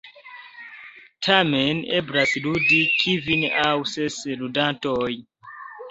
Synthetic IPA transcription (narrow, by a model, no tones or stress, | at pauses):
tʰamenebɾasludikʰivinawsesludantoj